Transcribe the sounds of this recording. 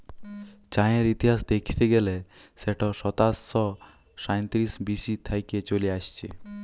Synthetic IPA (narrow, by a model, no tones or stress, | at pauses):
t͡ɕajeɾit̪iɦasd̪ekʰi̥t̪eɡɛleseʈɔsɔt̪asɔ | sajnt̪ɾisbisit̪ʰajket͡ɕoliaʃt͡ɕʰe